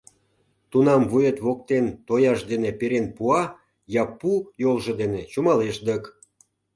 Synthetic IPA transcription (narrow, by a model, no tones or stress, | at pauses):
t̪unɑmvujet̪βok̚t̪ent̪ojɑʃd̪enepeɾenpuɑ | jɑpujolʒɤ̆d̪enet͡ɕumɑleʃd̪ək